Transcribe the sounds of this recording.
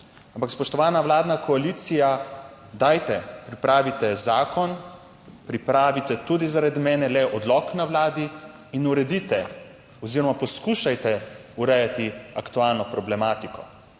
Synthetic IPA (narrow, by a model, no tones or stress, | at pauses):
ampakspɔʃt̪ɔʋaːnaʋwlaːd̪nakʰɔaliːt̪sija | d̪aːjt̪ɛpɾipɾaːʋit̪ɛzaːkʰɔn | pɾipɾaːʋit̪ɛt̪ud̪izaɾad̪mɛːnɛlɛʔɔd̪lɔknawlaːd̪iː | nuɾɛd̪it̪ɛ | ɔziɾɔmapɔskuːʃajt̪ɛuɾɛjat̪iakt̪ualnɔpɾɔblɛmaːt̪ikɔ